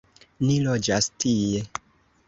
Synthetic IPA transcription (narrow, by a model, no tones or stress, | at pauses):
nilod͡ʒastie